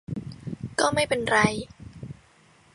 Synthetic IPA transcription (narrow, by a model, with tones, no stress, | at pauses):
kɔː˥˩ma˥˩jpe˧nɾa˧j